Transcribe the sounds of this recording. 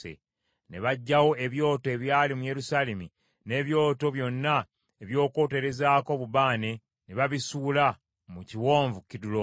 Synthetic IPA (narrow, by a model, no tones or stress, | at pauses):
ḛ | ne̞βaɟːawo̞e̞βjo̞ːtoe̞βjaːlimuje̞ɾusaːlemi | ne̞ːβjo̞ːto̞βjo̞nːa | eβjo̞ːko̞ːte̞ɾe̞zaːko̞βuβaːne̞ | neβaβisuːla | muciwo̞ːɱvukidulo